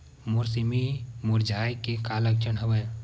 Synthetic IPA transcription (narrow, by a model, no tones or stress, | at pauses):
mʊɾsimimʊɾd͡ʒaːjkekaːlək̚t͡ʃʰənɦəʋəj